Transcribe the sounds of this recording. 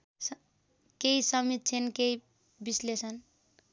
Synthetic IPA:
s | keisʌmit̪̚t͡ʃʰenkei | bislesʌn

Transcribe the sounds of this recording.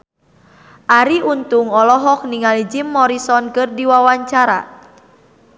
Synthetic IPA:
ʔaɾiʔunt̪uŋɔlɔɦɔk̚niŋalid͡ʒimːɔɾisɔnkɨrdiwawaɲt͡ʃaɾa̰

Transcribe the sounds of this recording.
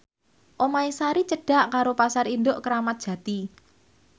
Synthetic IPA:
ʔomaisaɾit͡ʃəɖ̥a̤ʔkaɾopasaɾind̪oʔkəɾamat̪̚dʒ̥ä̤t̪i

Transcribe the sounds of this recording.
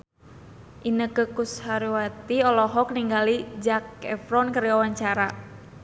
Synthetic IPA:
ʔinəkəkushaɾiwat̪iɔlɔɦɔk̚niŋɡalid͡ʒakɛfɾɔnkaɾiawaɲt͡ʃaɾa

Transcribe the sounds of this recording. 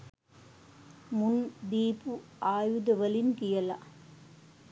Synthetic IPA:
mʊnd̪iːpɯʔaːjuðɐʋɐlɪnkɪjɐla̰

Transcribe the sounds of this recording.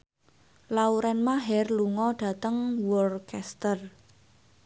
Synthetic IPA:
lauɾɛnmaɦɛrluŋɔɖ̥ä̤t̪əŋwɔrkɛst̪ər

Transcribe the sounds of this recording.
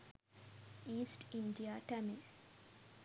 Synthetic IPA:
iːsʈiɳɖijaːʈæmi

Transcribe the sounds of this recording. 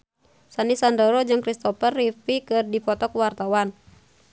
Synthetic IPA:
sanisandɔɾod͡ʒɨŋkɾist̪ɔfərːifikɨrdipɔt̪ɔkwart̪awan

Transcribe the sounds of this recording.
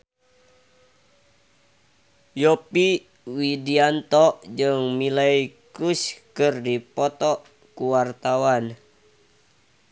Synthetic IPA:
jɔpi | widiant̪ɔʔd͡ʒɨŋmilaikuskɨrdipɔt̪ɔ | kuwart̪awan

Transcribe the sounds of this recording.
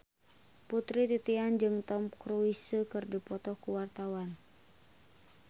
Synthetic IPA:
put̪ɾit̪it̪iand͡ʒɨŋt̪ɔmkɾuisəkɨrdipɔt̪ɔhkuwart̪awan

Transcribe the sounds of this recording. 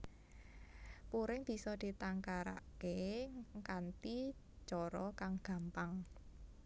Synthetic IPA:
puɾɪŋb̥i̤sɔd̪̥i̤t̪aŋkaɾa̰keŋkant̪i | t͡ʃɔɾɔkaŋɡ̥a̤mpaŋ

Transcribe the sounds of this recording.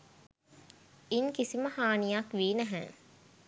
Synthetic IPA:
iŋkisiməhaːnijakʋiːnæɦɛ̰̃

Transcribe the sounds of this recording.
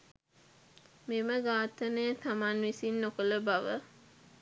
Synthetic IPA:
meməɡaːt̪ənəjt̪amanʋisinːokələbaʋə

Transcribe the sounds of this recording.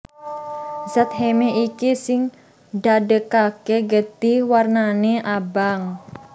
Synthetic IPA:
zət̪̚ɦemeikisɪŋ | dadəkakeɡət̪iwarnaneʔabaŋ

